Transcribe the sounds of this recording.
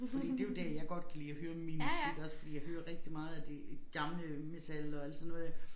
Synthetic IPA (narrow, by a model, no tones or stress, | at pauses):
fd̥ḭd̥e̝jod̥æɐjɑ̈ɪɡ̥ɒ̽d̥̚kʰæliːɒhøːɐminmusiɡ̥ɒ̽sfɒ̽d̥ḭːjɑɪøːɐʁɛɡ̥̚d̥imɑ̈ːð̞̩ˠæd̥eɡ̥ɑ̈mləmet͡sʰælɒ̽æld̥sɔnːɔ̽ð̩ˠ